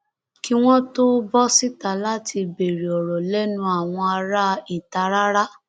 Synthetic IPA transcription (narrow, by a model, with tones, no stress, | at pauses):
ki˦w̃ɔ̃˦to˦bɔ˦si˦ta˨la˦ti˧be˨ɾi˨ɔ˨ɾɔ˨lɛ˦nũ˦a˦˨w̃ɔ̃˧a˧ɾa˦i˦˨ta˧ɾa˦ɾa˦